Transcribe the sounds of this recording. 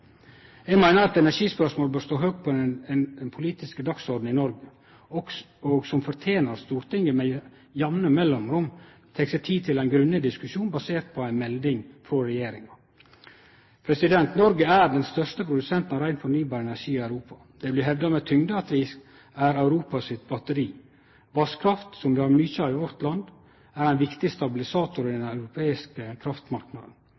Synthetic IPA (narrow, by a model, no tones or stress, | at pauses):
jɛɡmæɪnəɾɑt̪ɛnæʂiːspœʂmoːlbøːɾst̪oːɦøːɡ̚t̪̚pʰɔɛnnpʰʊliːt̪ɪskəd̪ɑksɔɾɖ̪n̩ɪnɔɾɡə | ɔɡsɔmfɔɾt̪ʰeːnəɾst̪uːɾt̪ʰɪŋːəmɛ | jɑʋnəmɛlːɔmɾʊmt̪ʰeːksɛt̪ʰiːt̪ʰɪlæɪnɡɾʉnːəd̪ɪskʉʂuːnbɑseːɾt̪̚pʰɔæɪnmɛld̪ɪŋfɾɔɾɛjeːɾɪŋɑ | pʰɾɛsɪd̪ɛnt̪nɔɾɡəæɾɖɛnst̪œʂt̪əpʰɾʊd̪ʉsɛnt̪n̩ɑɾæɪnfɔɾnyːbɑːɾɛnæʂiːɪœʉɾuːpɑ̥ | d̪̥ɛblɪɦɛʋd̪ɑmɛt̪ʰʏŋd̪əɑt̪ʋɪsk | æɾɑʉɾuːpɑsɪt̪bɑt̪əɾiː | ʋɑskʰɾɑft̪sɔmʋ̪ɪhɑɾmyːçɑɪʋɔɾt̪lɑnd̪ | æɾæɪnʋɪkt̪ɪst̪ɑbɪlɪsɑːt̪ʊɾɪd̪ɛnɑʉɾʊpʰeːɪskəkʰɾɑft̪mɑɾknɑ̰d̪n̩